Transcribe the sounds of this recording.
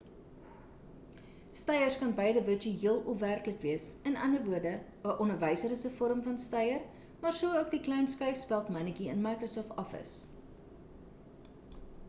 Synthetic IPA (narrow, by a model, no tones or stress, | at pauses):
stɛjərskɐnbɛjdəvət͡ʃyiəlˠɔfværkləkviəsənɐnəvuərdə | əʔɔnərvəjsəɾəsəfɔɾəmfɐnstɐjər | mɑːrsuəuək̚diklɛjnskœɥfspælˠtmɐnəkiənmɐjkrosɔftɔfə̰s